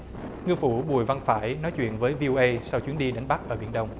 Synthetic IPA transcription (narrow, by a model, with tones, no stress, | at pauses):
ŋɨ˧əfṵ˧˩ɓu˨˩əjva˧nfaː˧˩jnɔ˨˦jt͡ɕwḭ˧˨ənvəː˨˦jvi˧ʔo˧ʔə˧jsa˧wt͡ɕwi˨˦ənɗi˧ɗa˨˦jŋ̟ɓa˦˥k̚ʔəː˧˩ɓi˧˩ənɗə˧wŋ͡m